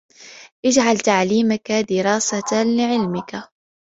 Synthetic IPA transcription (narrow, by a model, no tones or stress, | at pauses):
ʔɪd͡ʒʕalt̪aʕliːmakad̪ɪɾɑːsalɪʕɪlmɪka